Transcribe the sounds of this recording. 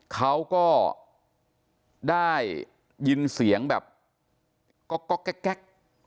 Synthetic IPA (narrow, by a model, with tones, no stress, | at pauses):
kʰa˦˥wkɔː˥˩ | daː˥˩jː | i˧nsi˩˦əŋbɛ̰ː˨˩p̚ | kɔ˥˩kːɔ˦˥˩kːɛ˦˥kːɛ˦˥˩k̚